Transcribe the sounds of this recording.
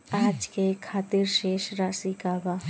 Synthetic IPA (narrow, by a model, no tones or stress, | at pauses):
aːd͡ʒkekʰaːt̪ɪɾʃeːʃɾaːsikaːba